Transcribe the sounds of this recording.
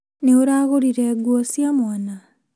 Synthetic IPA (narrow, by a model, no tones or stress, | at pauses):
neoɾaːɣoɾiɾɛɡwɔsiamwana